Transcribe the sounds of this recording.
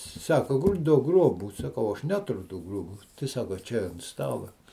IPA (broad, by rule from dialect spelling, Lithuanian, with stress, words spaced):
ˈsɑːkoː ˈduɔk ˈɡroːbuː sɐˈkɐʊ ˈɐʃ ˈnʲæːtʊrʲʊ ˈtuː ˈɡruɔbuː tɐɪ ˈsɑːkoː ˈt͡ʃʲɛ ɐnt ˈstɑːlˠɐ